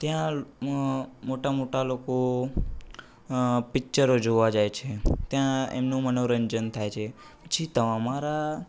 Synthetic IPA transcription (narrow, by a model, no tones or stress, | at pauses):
t̪jã | moʈamoʈaloko | pɪkt͡ʃəɾod͡ʒoʋad͡ʒajt͡ʃʰet̪jãḛmnũmənoɾənd͡ʒənt̪ʰajt͡ʃʰe | pət͡ʃʰit̪əʋamaɾa